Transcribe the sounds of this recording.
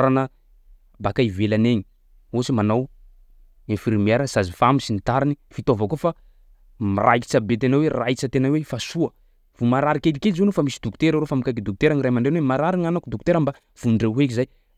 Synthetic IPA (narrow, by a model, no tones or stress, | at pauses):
ɾanə | bakaivelaneɲi | osimanaw | efirimiaɾansazifamisint̪aɾinifit̪ovakofa | mirʔa̰jki̥t͡sabet̪enawerait͡sət̪enawefasuə | v̥umaɾaɾikelikelzewnofamisid̪uku̥t̪eɾaɾofamikakid̪uk̚u̥t̪eɾaŋirajmaɳɖ͡ʐenwemaɾaɾiŋanakud̪uku̥t̪eɾəmba | v̥unɳɖ͡ʐewɦekizaj